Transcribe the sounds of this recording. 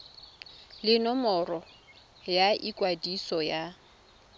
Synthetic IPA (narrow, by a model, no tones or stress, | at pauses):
lɪnɔmɔrɔ | jaʔikʼwadisɔja